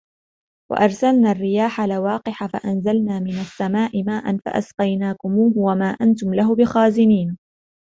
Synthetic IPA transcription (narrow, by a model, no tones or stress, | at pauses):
wa̰ʔɑɾˤsalnaːrːɪjaːħalawaːqɪħafa̰ʔanzalnaːmɪnasːamaːʔɪmaːʔanfa̰ʔa̰sqɑjnaːkʊmuːhʊwamaːʔant̪ʊmlaɦʊbɪxaːzɪniːn